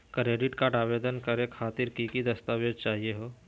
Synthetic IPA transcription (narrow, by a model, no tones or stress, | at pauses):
kɾeːɖɪʈkaːɾʈaːʋeːd̪ənkɐɾekʰaːt̪ɪɾkikid̪ɐst̪aːʋeːd͡ʒt͡ʃaːɦieɦoː